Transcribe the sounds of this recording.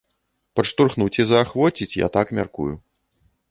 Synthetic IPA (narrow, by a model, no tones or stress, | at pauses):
pɐt͡ʂt̪urxnut͡sʲizɐːxvɔt͡sʲit͡sʲja̰t̪akmʲa̰rkṵju